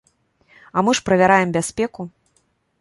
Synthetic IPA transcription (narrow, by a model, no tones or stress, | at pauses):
amɨʂpɾɐvʲaɾajɛmbʲasʲpʲɛku